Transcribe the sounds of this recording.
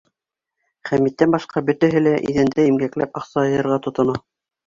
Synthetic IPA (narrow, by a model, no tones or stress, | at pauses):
χæmit̪ːænbɑʃqɑbɵ̆t̪æɦɘlæʔḭðænd̪æimɡæklæpɑqsɑɤ̆jɤ̆ɾʁɑt̪ŏt̪ŏnɑ